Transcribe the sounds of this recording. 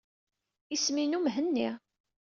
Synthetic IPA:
isminumɦənːiʁ

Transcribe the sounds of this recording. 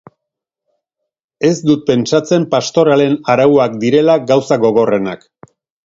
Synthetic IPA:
e̞zd̪ut̪̚pe̞nt͡ʃat͡se̞mpast̪o̞ɾale̞naɾawuakd̪iɾe̞laɡawsaɣo̞ɣ̞o̞re̞na̰k

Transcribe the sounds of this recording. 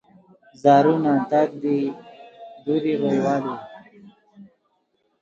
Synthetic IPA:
zɑːɾunat̪ak̚d̪i | d̪uɾiɾojwɑːli

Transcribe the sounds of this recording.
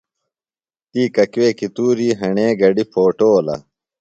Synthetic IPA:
t̪iːkɐkweːkit̪uːɾiːɦɐɳeːɡɐɖipʰoːʈoːlɐ̰

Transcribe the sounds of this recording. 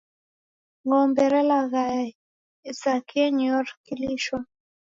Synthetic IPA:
ŋɔmbɛɾɛlaɣaɛ | isakʰiɛɲjɔɾkiliʃwa

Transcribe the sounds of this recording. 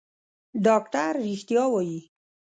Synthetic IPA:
ɖɑkʈaɾːixt̪jɑwɑji

